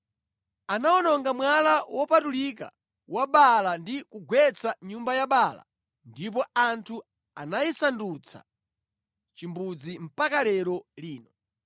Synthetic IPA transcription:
anaɔnɔŋɡamwalawɔpatulika̰ | waɓalandikuɡwɛt͡sʰaɲumbajaɓala̰ | ndip̬ɔantʰu | anajisandut͡sʰa̰ | t͡ʃimbud͡zim̩pakalɛɾɔliːnɔ

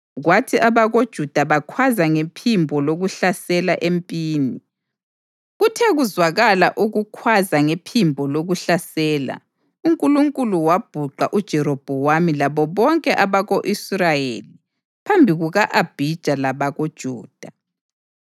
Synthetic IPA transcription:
ɣwatʰiʔaβaɣod̥ʒ̥ʱud̥ʱaβakʰwazaŋepʰimbʱɔloɣuɬasɛlaʔempʼiːni | ɣutʰɛɣuzwaɣalaʔuɣukʰwazaŋepʰimbʱɔloɣuɬasɛːla̰ | uŋkʼuluŋkʼuluwab̥ʱuǃa̰ʔud̥ʒ̥ʱɛɾob̥ʱɔwamilaβɔβɔŋkʼɛʔaβaɣoʔisrajeli | pʰambʱiɣuɣaʔab̥ʱid̥ʒ̥ʱalaβaɣod̥ʒ̥ʱuːd̥ʱa

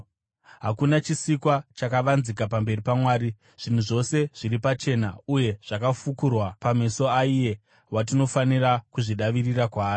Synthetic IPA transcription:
ɦakunat͡ʃisikwat͡ʃakaʋanzikapambe̞ripamwaːɾi | ʐ̥in̤uʐo̞se̞ʐ̥iɾipat͡ʃe̞nauje̞ʐ̥akafukurwapameso̞aije̞ | wat̬ino̞fanirakuʐiɗaʋirirakwaːri

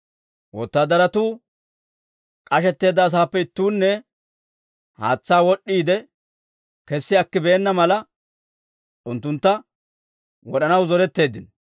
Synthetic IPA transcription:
wɔt̪ːaːd̪ɐɾɐt̪uː | kʼɐʃɛt̪ːe̞ːd̪ːɐːs̬aːpːɛɪt̪ːuːnːɛ | ha̰ːt͡sːaːwɔɗːiːd̪ɛ | kɛsːɪɐkːɪbeːnːɐmɐlɐ | ʔʊnt̪ːʊnt̪ːɐ | wɔɗɐnɐwzɔɾɛt̪ːe̞ːd̪ːɪn

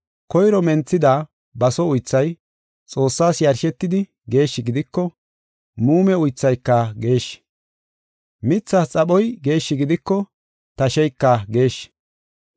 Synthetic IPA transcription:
kɔjɾɔmɛnt͡sːɪd̪a | bɐsɔʊjt͡sːɐj | t͡sʼo̞ːsːaːsjɐɾʃɛt̪ːɪd̪ɪ | ɡe̞ːʃːɪɡɪd̪ɪkːɔ | muːmɛʊjt͡sːɐjkːɐɡe̞ːʃ | mɪt͡sːat͡sʼɐɓɔjɡe̞ːʃːɪɡɪd̪ɪkːɔ | t̪ɐʃɛjkːɐɡe̞ːʃ

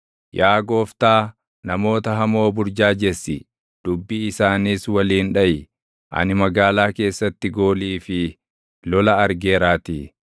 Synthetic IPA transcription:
jaːɡo̞ːft̪aː | nɐmo̞ːt̪ɐɦɐmo̞ːbʊɾd͡ʒaːd͡ʒɛsːɪ | d̪̥ʊbːiːɪsaːniːswɐliːnᶑɐʔɪ | ʔɐ̰nɪmɐɡaːlaːke̞ːsːɐt̪ːɪɡo̞ːliːfɪ | lɔlɐɐɾɡeːɾaːt̪iː

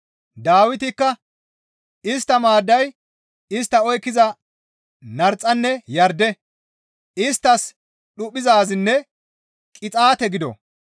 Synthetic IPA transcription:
d̪aːwɪt̪ɪkːɐ | ɪst̪ːɐmaːd̪ːɐj | ɪs̬t̪ːɐɔjkːɪzɐ | nɐɾt͡sʼːɐnːɛjɐɾd̪ɛ | ɪst̪ːɐs | ɗʊpʼːɪzaːzɪnːɛ | kʼɪt͡sʼaːt̪ɛɡɪd̪ɔ̰

